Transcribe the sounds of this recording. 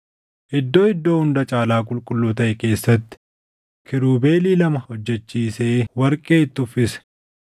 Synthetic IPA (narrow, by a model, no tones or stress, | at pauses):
ʔɪd̪ːo̞ːɪd̪ːo̞ːhʊnd̪ɐt͡ʃʼaːlaːkʼʊlkʼʊlːuːt̪ɐʔɛke̞ːsːɐt̪ːɪ̥ | kʰɪɾuːbe̞ːliːlɐmɐhɔd͡ʒːɛt͡ʃːiːseːwɐɾkʼeːɪt̪ːʊfɪsɛ̥